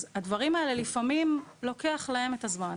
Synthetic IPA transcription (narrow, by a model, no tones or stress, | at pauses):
zadvaʁimaelelifamimlo̞ke̞aχlahe̞metazman